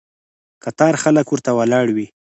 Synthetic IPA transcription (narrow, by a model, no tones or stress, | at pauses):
kat̪ɑɾxaləkwʊɾt̪awalɑɽwi